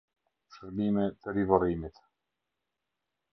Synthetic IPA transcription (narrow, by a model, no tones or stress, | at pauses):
ʃəɾbimɛt̪əɾivɔɾimit̪